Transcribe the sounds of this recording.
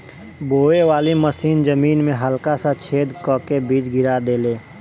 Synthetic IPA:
boːeʋaːliməsiːnzəmiːnmẽɦəlkasat͡ʃʰeːd̪kəkebiːt͡ʃɡʱɪɾad̪eːleː

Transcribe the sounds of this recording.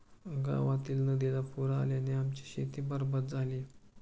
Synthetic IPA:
ɡa̰ʋat̪iːlnəd̪ilapuɾaːljaneamt͡ɕi̥ɕet̪ibəɾbət̪̚d͡zʱaliː

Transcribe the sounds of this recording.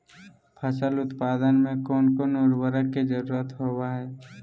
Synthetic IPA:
pʰəsəlʊt̪paːd̪ənmẽkɔːnkonoːɾwəɾəkːed͡ʒəɾuːɾət̪ɦoːwaɦɛː

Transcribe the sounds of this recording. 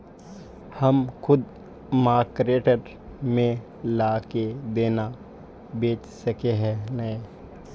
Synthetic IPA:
həmkʰʊd̪ | maːkɾeːʈəɾ | mẽ | laːked̪eːna | beːt͡ʃsəkeɦɛ̃nəẽ

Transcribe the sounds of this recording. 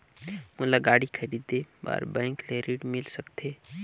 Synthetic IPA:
mʊlaɡaːɽikʰəɾid̪eba̰ːɾbə̃ɪkleɾiːɽmɪlsəkt̪ʰe

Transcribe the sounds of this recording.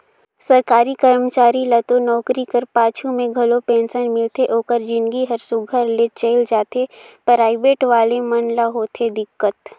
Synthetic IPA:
sɐɾkaːɾikəɾmət͡ʃaːɾilɐt̪onɔːkɾikəɾpaːt͡ʃʰumẽɡʱɐlopɛ̃ːnsənmɪlt̪eʔoːkəɾd͡ʒɪ̃nɡiɦɐɾsʊɡʱəɾlet͡ʃəɪld͡ʒaːt̪epɾaːɪbeːʈʋaːlemɐnlaɦoːt̪ʰed̪ɪkːət̪

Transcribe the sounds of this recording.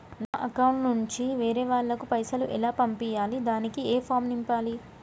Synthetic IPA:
naːʔɐkɐwuɳʈnuɲt͡ʃiʋeːɾeːʋaːɭːɐkupɐjsɐluʔɛlaːpɐmpijaːlid̪aːnikieːpʰaːɾmnimpaːli

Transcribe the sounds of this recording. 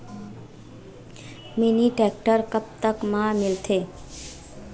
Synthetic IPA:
meniʈɛk̚ʈəɾkəb̚t̪əkmãmɪlt̪ʰeː

